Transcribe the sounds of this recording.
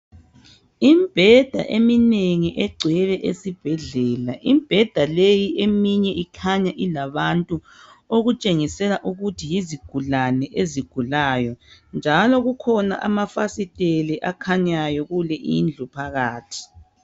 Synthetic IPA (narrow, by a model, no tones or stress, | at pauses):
imb̥ʱɛd̥ʱa̰ʔemineŋiʔɛɡ͡ǀʱwɛβɛʔesib̥ʱɛɮɛːlaʔimb̥ʱɛd̥ʱalejiʔemiɲɛʔikʰaɲaʔilaβantʼu | oɣut͡ʃʼeŋisɛlaʔuɣutʰijiziɡ̥ʱulanɛʔeziɡ̥ʱulajɔnd͡ʒʱalɔɣukʰɔna̰ʔa̰mafasitʼeliʔakʰaɲajɔɣulɛʔḭnd͡ɮʱupʰaɣaːtʰi̥